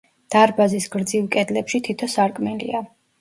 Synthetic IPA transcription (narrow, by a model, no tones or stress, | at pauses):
d̪̥aɾbazisɡɾd̪zilˠkʼɛd̪lɛpʃit̪ʰit̪ʰɔsaɾkʼmɛlḭa